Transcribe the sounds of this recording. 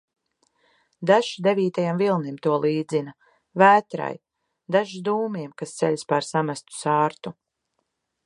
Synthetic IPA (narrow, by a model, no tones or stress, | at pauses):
d̪aʒd̪eviːt̪ajamvilˠnimt̪uɔlˠiːd̪zina | væːt̪ɾa̰j | d̪aʒid̪uːmiɛmkast̪seʎʲspaɾsamast̪u̥saːɾt̪u